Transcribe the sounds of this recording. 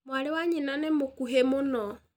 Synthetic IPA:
mwaɾewaɲinanemokuɦemonɔ

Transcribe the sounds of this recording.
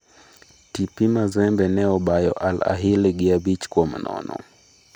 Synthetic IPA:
tipimazɛmbɛnɛɔbajɔʔala̰ɦilɡɪabit͡ʃkwɔm̰nɔ̰nɔ̰

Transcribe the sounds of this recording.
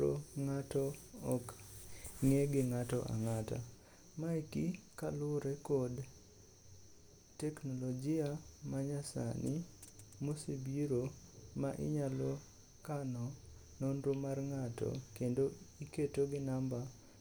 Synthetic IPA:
o̰ŋatɔɔk | ŋeɡɪŋatɔ̰ʔa̰ŋata̰ | maikikalʊɾɛkod | tɛknolod͡ʒɪamaɲasa̰nimosebiɾomaʔɪ̰ɲalo | kanɔ | nonɾomarŋatɔ̰kendoiketoɡɪnamba

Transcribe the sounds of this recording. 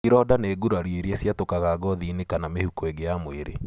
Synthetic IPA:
kiɾɔdaneːɡuɾaɾieɾiesjatokaɣaɡɔðinekanamehukoeɡejamweɾḛ

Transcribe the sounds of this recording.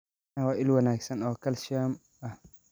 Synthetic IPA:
awaʔɪlwɐnaːksɐnawkɐlʃam | a

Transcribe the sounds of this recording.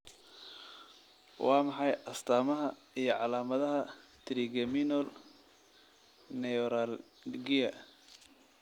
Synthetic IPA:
wʔɑːmɑħɑjʔɐst̪ʰaːmɐɦɐ | ijɞʕɑlaːmɐðɐɦɐt̪ʰɾiɡɐminɔl | nɛɔɾal | ɡijɐ

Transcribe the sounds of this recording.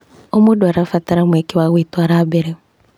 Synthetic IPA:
omʊdwaɾafataɾamekɪwaɣetwaɾabeɾe

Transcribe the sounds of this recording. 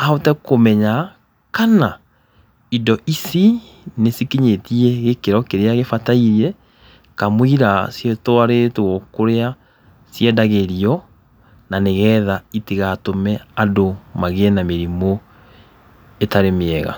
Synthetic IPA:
aotɛkomɛɲa | kana | idɔʔisi | nesikiɲetiɛɣekeɾɔkeɾeaɣefataiɾiɛ | kamwiɾasjetɔaɾetoɔkoɾea | sjɛdaɣeɾiɔ | naneɣɛːðaitiɣatomɛadomaɣeɛnameɾimo | etaɾemeɛɣa̰

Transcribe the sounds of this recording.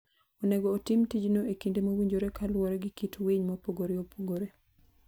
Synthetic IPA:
onɛɡoːtɪmtid͡ʒnoekindemowiɲd͡ʒoɾekalwɔɾeɡɪkitweɲmopoɡoɾeopʰoɡoɾe

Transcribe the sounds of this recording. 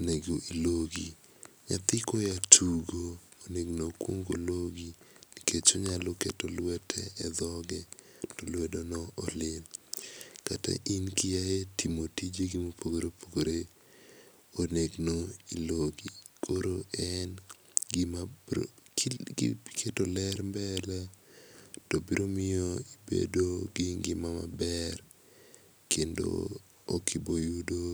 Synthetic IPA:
oneɡoʔiloɡi | ɲa̰t̪ɪkojatʰuɡoːneɡnokwo̰ŋɡo̰loɡiikʰet͡ʃoɲaloketolwɛtʰɛɛd̪ɔɡɛ | tolwɛdonɔʔːlɪn | kata̰ʔinkijajetʰimotid͡ʒeɡimopʰoɡoɾeopʰoɡoɾe | oneɡnoiloɡikʰoɾoʔɛn | ɡɪma | kʰetolɛɾmbɛla | tɔbiɾomɪɔibḛdoɡɪŋɡɪmama̰bɛr | kʰendo̰ | o̰kʰibojudo

